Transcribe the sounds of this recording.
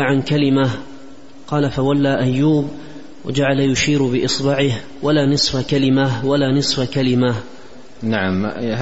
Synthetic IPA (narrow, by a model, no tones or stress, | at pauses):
ʕankalɪmah | qɑːlafawalːaːʔajːuːb | wa̰d͡ʒaʕalajʊʃiːɾbɪʔɨsˤbɪʕɪh | walaːnɨsˤfakalɪmahwalaːnɨsˤfakalɪmah | naʕam